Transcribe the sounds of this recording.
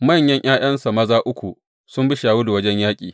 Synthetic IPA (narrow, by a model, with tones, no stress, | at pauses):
mɐ˦˨ɲjɐ˦ɲʔaː˦j̰ɐ˦nsa˨mɐ˦zaː˦ʔʊ˦kʷu˨ | sʊ˦mbɪ˦ʃaː˨wuː˦du˨wɐ˦d͡ʒɛ˦ɲjaː˦kʲʼḭː˨